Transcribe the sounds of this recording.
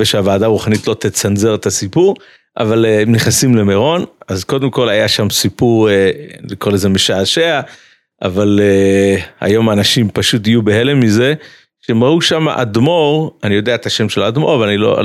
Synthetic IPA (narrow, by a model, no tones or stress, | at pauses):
veʃeavaːd̪aːʁuχanit̪lo̞t̪et͡sanze̞ʁet̪asipuʁ | ʔa̰valemniχnasimle̞meʁo̞nazko̞d̪emko̞lajaʃamsipuʁlikolezemeʃaːʃea | ʔa̰valeha̰jo̞maːnaʃimpaʃut̬ijubehele̞mize̞ | ʃeemʁauʃama̰ʔad̪mo̞ʁanijo̞d̪eaet̪aʃe̞mʃelad̪mo̞ʁvlanilo̰